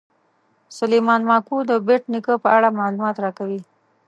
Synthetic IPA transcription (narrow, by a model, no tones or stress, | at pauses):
sʊlejmɑnmɑkud̪əbeʈnikəpəaɽamɑlumɑt̪ɾɑkawi